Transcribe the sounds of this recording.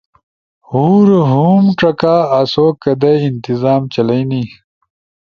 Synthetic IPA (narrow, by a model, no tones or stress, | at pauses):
huːɾɦuːmʈ͡ʂɐkaːsoːkːɐd̪eint̪izaːmt͡ɕɐlɐjni